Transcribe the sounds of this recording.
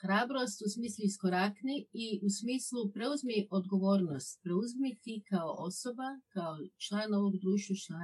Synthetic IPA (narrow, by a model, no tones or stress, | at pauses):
xɾaːbɾo̞st̪usmiːslˠuiskoɾakniiʔusmiːslˠupɾe̞uzmiʔo̞d̪ɡo̞ʋo̞ːɾnost̪̚pɾe̞uzmit̪ikaoʔoso̞bakaot͡ʃlˠaːno̞ʋo̞ɡd̪ɾuːʃt̪ʋut͡ʃlˠa